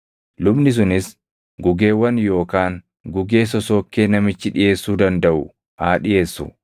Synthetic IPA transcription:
lʊbnɪs̬ʊnɪs | ɡʊɡe̞ːwɐnjo̞ːkaːŋ | ɡʊɡe̞ːs̬ɔso̞ːkːe̞ːnɐmɪt͡ʃːɪᶑɪje̞ːsːuːd̪ɐnd̪ɐʔʊ | haːᶑɪjʔe̞ːsːʊ̰

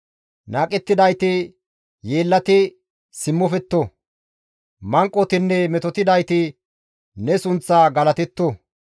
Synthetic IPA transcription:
naːkʼɛt̪ːɪd̪ɐjt̪ɪ | jeːlːɐt̪ɪ | sɪmːɔfɛt̪ːo | mɐŋkʼːɔt̪ɪnːɛmɛt̪ɔt̪ɪd̪ɐjt̪ɪ | nɛsʊnt͡sːaːɡɐlɐt̪ɛt̪ːɔ

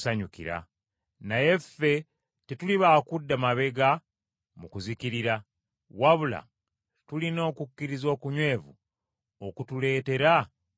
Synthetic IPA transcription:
saɲukḭɾa̰ | naje̞fːe̞ | tituliβaːkudːamaβe̞ɡa | mukuzikiɾiɾa | waβula̰ | tulino̞ːkukːiɾizo̞ːkuɲwe̞ːvṵ | okutule̞ːte̞ɾa

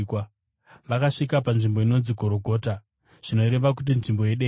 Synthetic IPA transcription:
k | ʋakaʂikapanʐimbo̞ino̞nziɡʱo̞ɾo̞ɡʱo̞ːta | ʐ̥ino̞ɾe̞ʋak̬ut̬inʐimbo̞jeɗe

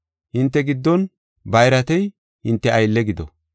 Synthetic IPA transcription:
hɪnt̪ːɛɡɪd̪ːɔn | bɐjɾɐt̪ɛj | hɪnt̪ːɛɐjlːɛɡɪd̪ɔ

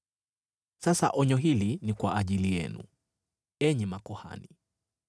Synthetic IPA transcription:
sasaʔɔɲɔɦilinikwaʔːʄilijɛ̰nṵ | ɛɲɛmakɔha̰ni

